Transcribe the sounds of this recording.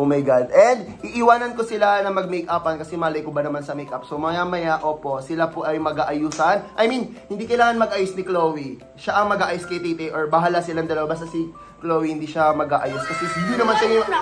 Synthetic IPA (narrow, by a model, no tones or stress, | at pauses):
omɐjɡad̪̚ɛnd̪̚ʔiʔɪwaːnɐnkosɪlanɐmɐɡ̚mɛjkʔapɐnkɐsɛmaːlɐjkobɐnɐmansɐmɛjkap̚somɐjamɐjaʔoːpo̞ʔsɪlapoʔɐjmɐɡaːʔɐjuːsɐnʔɐjminhɪnd̪iːkɐjlaːŋɐnmɐɡʔajosnɪkloːwi | ʃaʔɐŋmɐɡaːʔajoskɐjt̪it̪ɛʔoɹbɐɦaːlasɪlɐŋd̪ɐlɐwabaːst̪ɐsɪ | kloːwihɪnd̪iːʃamɐɡaːʔɐjoskɐsɛsɪnd̪inɐmansɐjo